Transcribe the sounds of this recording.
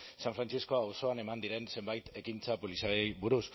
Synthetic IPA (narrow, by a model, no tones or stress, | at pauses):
saɱfɾant͡ʃisko̞awso̞ane̞mand̪iɾe̞nse̞mbajt̪e̞kint͡sapolisaejβuɾus